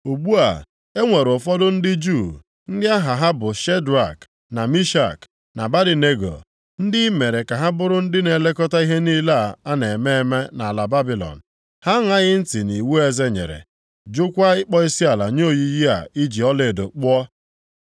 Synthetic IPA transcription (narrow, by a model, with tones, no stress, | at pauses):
u˨ɡ͡bu˦a̰˨ | e˦ŋʷe˨ɾʊ˨fɔ˦dʊ˦n̩˦dɪ˦d͡ʒu˦˨ | n̩˦dɪ˦a˦ɦa˨ɦa˦bʊ˨ʃe˦dɾa˨k | na˨mi˦ʃa̰˨k | na˨ba˦dɪ˨ne˦ɡo̰˨ | n̩˦dɪ˦me˨ɾe˨ka˨ɦa˦bʊ˦ɾʊ˦n̩˦dɪ˦ne˨le˦kɔ˦ta˦i˦ɦe˦ni˦la˦˨a˦ne˨me˦e˦me˦na˨a˨la˨ba˦bi˨lɔ̰˨n̩˨ | ha˦ŋa˦ɣɪ˦n̩˦ti˨ni˨wu˦e˦ze˦ɲḛ˨ɾḛ˨ | d͡ʒʊ˦kʷa˦ɪ˦k͡pɔ˦i˦si˦a˨la̰˨ɲ˦o˦˨ji˦ji˦a̰˨i˦d͡ʒi˨ɔ˦le˨do˨k͡pʊ˦ɔ˦